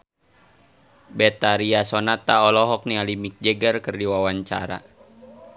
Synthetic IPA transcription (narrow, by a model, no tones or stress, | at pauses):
bɛt̪aɾiasɔnat̪aɔlɔɦɔk̚nialimik̚d͡ʒɛɡərkərdiwawaɲt͡ʃa̰ɾa̰